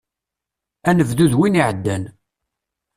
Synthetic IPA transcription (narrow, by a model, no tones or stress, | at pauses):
ænəvðuðwiniʕəd̪ːæn